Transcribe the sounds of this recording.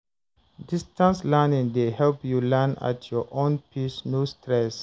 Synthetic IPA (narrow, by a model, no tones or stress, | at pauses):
distə̃nslɛnĩŋdehɛlpjulɛna̰tʰjɔʔõnpʰisnustɹɛs